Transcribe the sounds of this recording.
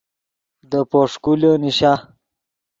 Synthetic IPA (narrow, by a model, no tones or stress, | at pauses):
d̪əpoʂkuləniɕa